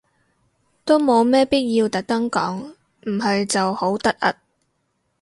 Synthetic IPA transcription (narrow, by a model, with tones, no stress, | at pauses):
t̪o˥wmo˨˧wmɛː˥piː˥t̚jiː˧wt̪ɐ˨˥k̚t̪ɐ˥ŋkɔː˨˥ŋ | m̩˨˩ɦɐ˨jt͡sɐ˨who˨˥wt̪ɐ˥k̚ɐ˥t̚